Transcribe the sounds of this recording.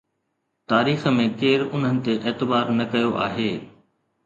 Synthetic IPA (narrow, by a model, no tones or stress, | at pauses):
t̪aːɾiːxə̆mẽkeːɾʊn̤ɦənɪ̆t̪eʔeːt̪ɪbaːɾnɐkɐjoʔa̰ːɦeː